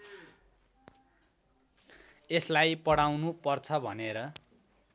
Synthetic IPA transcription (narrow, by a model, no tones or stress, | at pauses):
eslajpʌɽawnupʌrt͡sʰʌbʱʌneɾʌ